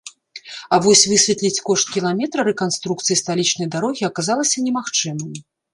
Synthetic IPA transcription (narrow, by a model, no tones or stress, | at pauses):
avɔsʲvɨsʲvʲɛt̪lʲit͡sʲkɔʂt̪̚kʲilˠamʲɛt̪ɾɐɾɛkanst̪ɾukt̪sɨjist̪alʲit͡ʂnɐjd̪aɾɔɣʲiɐkazalˠɐsʲɐnʲɛmaxt͡ʂɨmɨm